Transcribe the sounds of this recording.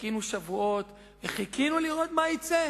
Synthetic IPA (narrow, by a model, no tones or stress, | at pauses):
kinuʃavuo̞t̪ | veχikinuliʁo̞t̪mait͡se